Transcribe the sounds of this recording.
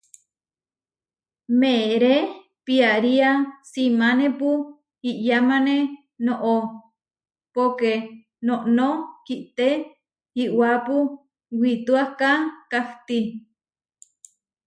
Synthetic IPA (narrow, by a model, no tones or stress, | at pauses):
meɾe | piaɾiasimanepu | hiʔjamane | noʔo | poke | noʔnokiʔt̪e | hiʔwapu | wit̪uahkakaht̪i